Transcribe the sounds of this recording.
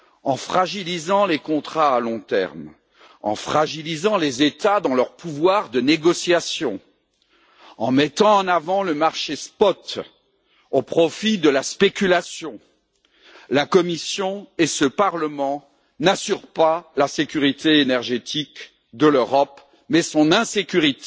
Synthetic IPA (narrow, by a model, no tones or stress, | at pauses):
ɑ̃fχaʒilizɑ̃lekɔ̃t̪χaːlɔ̃t̪ɛ̰ʁm | ɑ̰̃fχaʒilizɑ̃lezet̪ad̪ɑ̃lœʁpuvwaʁd̪əneɡɔsjasjɔ̃ | ɑ̃mɛt̪ɑ̃ːnavɑ̃ləmaʁʃespɔt̪ | opχɔfid̪əlaspekʲylasjɔ̃ | lakɔmisjɔ̃esəpaʁləmɑ̃ | nasyʁpalasekʲyʁit̪eːnɛʁʒet̪ʰik | d̪əløʁɔp | mɛsɔ̃nɛ̃sekʲyʁit̪e̥